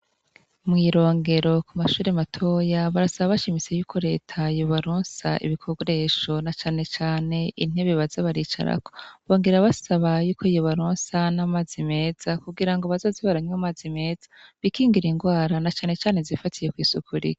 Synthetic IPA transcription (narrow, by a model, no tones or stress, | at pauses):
mŋiːɾo̞ːŋɡe̞ɾo̞kumaʃuːɾematʰo̞jaβaɾasaβaβaʃimit͡se̞juːkʰo̞ɾe̞̰ːtʰajoβaɾuːnsa̰ʔḭβikʰoɡoɾe̞ːʃo̞nat͡ʃaːne̞t͡ʃaːne̞ʔin̥eβeβazaβaɾit͡ʃa̰ɾa̰ko̞̥βo̞ːŋɡeɾaβasaβajuːkʰojoβaɾoːnsanamaːzime̞ːz̥akuɡiɾaŋɡoβazoziβaɾaɲamaːzime̞ːz̥ḁβikiːŋɡiɾiŋɡwaːɾanat͡ʃaːne̞t͡ʃaːne̞zifatijekwiːsukʰuɾḭɡi̥